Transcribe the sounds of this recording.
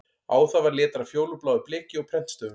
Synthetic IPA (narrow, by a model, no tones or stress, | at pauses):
aːwθavaɾlɛːt̪aɾafjoːwlʏplaːwðʏplɪːcɪɔɣpʰɾɛn̥t̪st̪œːvʏ